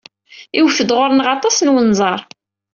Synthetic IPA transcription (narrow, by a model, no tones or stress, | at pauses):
iwfəd̪ʁʊɾˤnʁɑt̪ˤɑsnwənzˤɑɾˤ